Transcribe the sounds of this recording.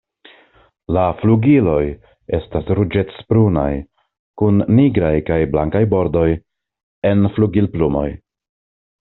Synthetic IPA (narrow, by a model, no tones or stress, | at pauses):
lafluɡilo̞j | e̞stasɾud͡ʒe̞spɾuna̰j | kunːiɡɾajkajblaŋkajbo̞ɾdo̞j | e̞nfluɡilplumo̞̰j